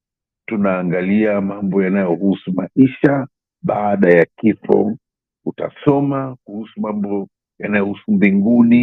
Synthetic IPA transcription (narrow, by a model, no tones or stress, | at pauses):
tunaːŋɡaliamambɔjanajɔhusumaiʃa | ɓaːɗajakifɔ̰ | uta̰sɔmakuhusumambɔ | janajɔhusumbiŋɡuni